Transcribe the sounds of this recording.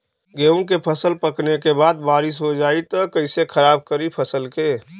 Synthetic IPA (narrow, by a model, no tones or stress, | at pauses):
ɡeːʊnkepʰəsəlpəknekebaːd̪baːɾɪsɦod͡ʒaːit̪ɐkəɪsekʰəɾaːb̚kəɾipʰəsəlkeː